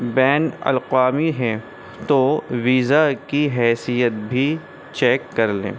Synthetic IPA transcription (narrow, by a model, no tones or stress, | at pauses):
bɛːnɐ̰lqaːmiɦɛ̃ | t̪oʋiːzakiɦɛːsijət̪̚bʱi | t͡ʃɛːkːɐɾlḛ̃ː